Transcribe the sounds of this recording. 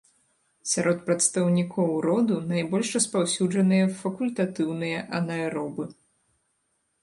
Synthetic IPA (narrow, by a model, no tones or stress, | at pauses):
sʲaɾɔt̪̚pɾɐt̪st̪ɐwnʲikʰɔwɾɔd̪unajbɔlʲʂrɐspawsʲud͡ʐɐnɨjɐfɐkulʲt̪at̪ɨwnɨjɐʔɐnɐɛɾɔbɨ